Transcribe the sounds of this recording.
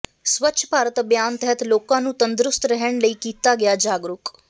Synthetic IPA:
sʋətːʃʰəpaːɾət̪bjaːnt̪ɛɦət̪loːkãːnũːt̪ənd̪ɾʊst̪ɾəɦəɽ̃ləiːkiːt̪aːɡɪjaːd͡ʒaːɡɾʊk

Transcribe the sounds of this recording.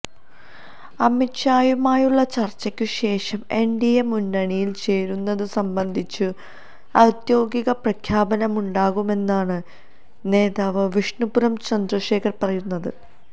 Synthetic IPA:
ɐmitɕaːjumaːjuɭːɐt͡ɕɐrt͡ɕːɐkʲːuɕe̞ːʂɐme̞ɳɖijɐmunːɐɳijilt͡ɕe̞ːɾunːɐðɨsɐmbɐnd̪ʱit͡ɕːɨ | ɐd̪jo̞ːɡiɣɐprɐkʰjaːbɐnɐmuɳɖaːɣume̞nːaːɳɨ | ne̞ːðaːʋɐʋiʂɳupuɾɐmt͡ɕɐnd̪rɐʂe̞ːkʰɐrpɐrɐjunːɐðɨ

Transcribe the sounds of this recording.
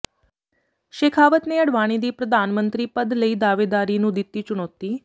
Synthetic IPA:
ʃeːkʰaːʋət̪neːəɽʋaːɽ̃iːd̪iːpɾəd̪aːnmə̃nt̪ɾiːpəd̪ləiːd̪aːʋeːd̪aːɾiːnũːd̪ɪt̪ːiːt͡ʃʊɽ̃ɔːt̪iː

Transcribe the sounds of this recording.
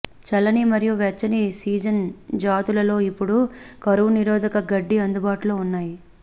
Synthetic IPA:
t͡ʃɛlːɐnimɐɾijuʋɛt͡ʃːɐnisiːd͡ʒɐnd͡ʒaːt̪ulɐlo̞ːipːuɽukɐɾuʋuniɾɔːd̪ɐkɐɡɐɖːiɐnd̪ubaːʈuloːunːaːji

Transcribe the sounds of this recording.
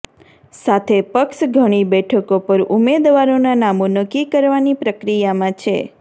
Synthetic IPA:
sat̪ʰepəkʃɡʱəɽ̃ibɛʈʰəkopəɾumed̪ʋaɾonanamõnəkːikəɾʋanipɾəkɾijamãt͡ʃʰe

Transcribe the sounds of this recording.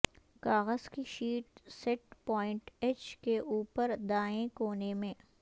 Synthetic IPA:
kaːɣəzkiʃiːʈsɛʈpɔːɪ̃ɳʈɛt͡ʃkeʔuːpəɾd̪aːẽkoːnemẽː

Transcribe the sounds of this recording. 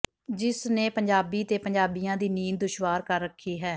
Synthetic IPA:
d͡ʒɪsneːpəɲd͡ʒaːbiːt̪eːpəɲd͡ʒaːbijãːd̪iːniːnd̪ʊʃʋaːɾkəɾːəkʰːiːɦɛː

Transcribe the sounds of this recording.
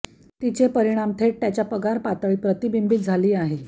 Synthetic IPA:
t̪it͡ɕepəɾiɽ̃amt̪ʰeʈ̚t̪jat͡ɕjapəɡaɾpat̪əɭiːpɾət̪ibimbit̪̚d͡zʱaliːaɦe

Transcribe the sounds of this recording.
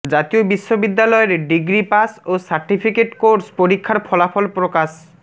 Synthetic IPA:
d͡ʑat̪iobiʃːobid̪ːalɔeɾɖiɡɾipasosaɾʈipʰikeʈkoɾspoɾikʰːaɾpʰɔlapʰɔlpɾokas

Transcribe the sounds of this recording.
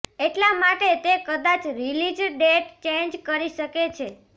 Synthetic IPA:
eʈlamaʈet̪ekəd̪at͡ʃɾilid͡ʒɖeʈt͡ʃend͡ʒkəɾiʃəket͡ʃʰe

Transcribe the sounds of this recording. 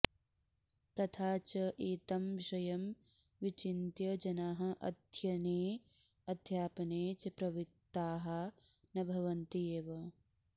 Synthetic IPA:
t̪ɐt̪ʰaːt͡ʃɐʔeːt̪ɐmʋiʃɐjɐm | ʋit͡ʃint̪jɐd͡ʒɐnaːɦɐ̆ʔɐ̰d̪ʱjɐneː | ɐd̪ʱjaːpɐneːt͡ʃɐpɾɐʋit̪ːaːɦɐ | nɐbʱɐʋɐnt̪ieːʋɐ

